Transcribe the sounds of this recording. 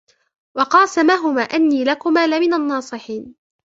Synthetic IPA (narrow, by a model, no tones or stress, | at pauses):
wɑqɑːsamaɦʊmaːʔanːiːlakʊmaːlɪmɪnanːɑːsˤɨħiːn